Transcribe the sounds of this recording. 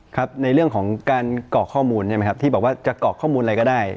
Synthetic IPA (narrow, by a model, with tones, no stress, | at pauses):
kʰa˦˥p̚na˧jɾɯ˥˩əŋkʰɔː˩˦ŋkaː˧nkɔː˨˩kʰːɔː˥˩muː˧nːa˥˩ma˦˥jkʰa˦˥t̪iː˥˩bɔː˨˩k̚waː˥˩t͡ɕa˨˩kɔː˨˩kʰɔː˥˩muː˧nʔjkɔː˥˩daː˥˩j